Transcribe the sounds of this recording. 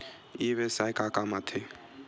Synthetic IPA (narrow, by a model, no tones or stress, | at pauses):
iːʋeːsajkaːkamat̪ʰe